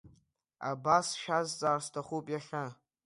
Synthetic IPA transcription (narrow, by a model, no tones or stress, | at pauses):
a̰basʃazt͡sʼaːrstʰaχupʼjaχʲa